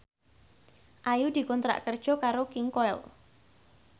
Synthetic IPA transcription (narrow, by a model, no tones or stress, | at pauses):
ʔajud̪̥i̤kɔnt̪ɾa̰ʔkərd̥ʒ̥ɔ̤kaɾokɪŋkɔɛ̰l